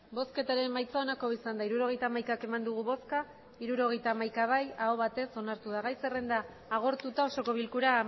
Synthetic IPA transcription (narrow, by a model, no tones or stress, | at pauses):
bo̞ske̞t̪aɾe̞mmajt͡sao̞nako̞isand̪aiɾuɾo̞ɣ̞e̞jt̪aːmajkake̞mand̪uɣ̞uβo̞ska | iɾuɾo̞ɣ̞e̞jt̪aːmajkaβ̞ajaoβ̞at̪e̞so̞naɾt̪uðaɣajsere̞nd̪aː | ɣ̞o̞ɾt̪ut̪ao̞so̞ko̞β̞ilkuɾa